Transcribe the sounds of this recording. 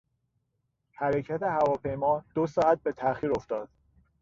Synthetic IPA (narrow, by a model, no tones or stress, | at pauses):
hæɾecʰæt̪ʰe̞hævɒːpʰe̞jmɒːd̪̥osɒːæt̪̚be̞t̪ʰæxiːɾo̞ft̪ɒːd̪̥